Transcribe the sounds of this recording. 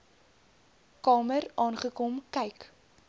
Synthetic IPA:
kɑːmərɑːnχəkɔmkɛjk

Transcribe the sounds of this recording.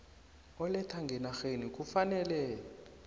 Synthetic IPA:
ɔlɛtʰaŋɡʱɛnaxenik̬ʼufanɛlɛ

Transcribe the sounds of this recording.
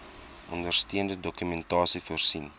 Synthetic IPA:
ʔɔndərstiəndədɔkymɛntɑːsifuərsin

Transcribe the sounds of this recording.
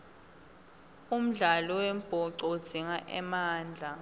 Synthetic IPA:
um̩ɮalɔwem̩b̥ʱɔǀod̥z̥ʱiŋaʔɛ̰maːnd͡ɮʱa

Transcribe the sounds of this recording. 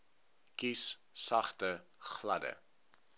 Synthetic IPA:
kis | sɐχtə | χlɐdə̰

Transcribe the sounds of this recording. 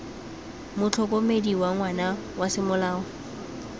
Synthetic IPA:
mʊt͡ɬʰɔkʼomediwaŋwanawasɪmʊlaːɔ

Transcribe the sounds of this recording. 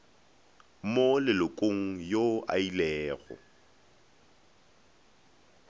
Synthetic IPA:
molɪlʊkʼoŋ̩joʔa̰ilɛːɣɔ̰

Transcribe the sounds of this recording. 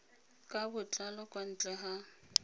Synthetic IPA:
kʼabʊt͡ɬʼalɔkʼwan̩t͡ɬʼɛɦa

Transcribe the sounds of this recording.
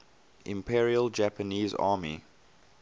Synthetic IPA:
ʔɪ̰̃mpʰiɹiəld͡ʒæpəniːzɑ̰ːmi

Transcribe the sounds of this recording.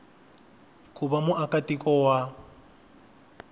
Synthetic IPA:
kʼubamʊʔakatikʼɔwa

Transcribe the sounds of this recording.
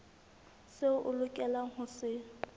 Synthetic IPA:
sɪʔʊlʊkʼɛlahʊsɪ

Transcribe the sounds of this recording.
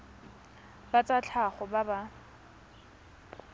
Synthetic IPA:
bat͡sʼat͡ɬʰaχʊbaba

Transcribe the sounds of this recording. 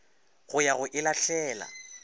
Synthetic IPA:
ɣʊjaɣʊʔɪlaɬɛːla̰

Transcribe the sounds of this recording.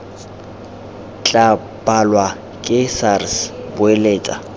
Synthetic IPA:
t͡ɬʼa | pʼalwa | kʼɪsarsbʊeleːtʼa̰

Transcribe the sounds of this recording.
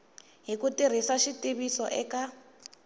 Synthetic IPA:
ɦikutir̤isaʃitiβisɔʔɛka

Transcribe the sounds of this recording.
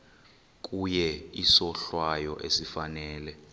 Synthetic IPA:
k̬ʼujɛisɔɬwajɔʔesifanɛːlɛ

